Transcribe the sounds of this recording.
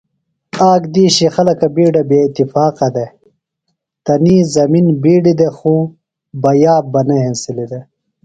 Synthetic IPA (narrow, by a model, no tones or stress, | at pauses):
aːɡd̪iːɕixɐlɐkabiːɖabeːt̪ifaːqɐd̪e | t̪ɐniːzɐminbiːɖid̪exu | bɐjaːb̚bɐneɦensilid̪e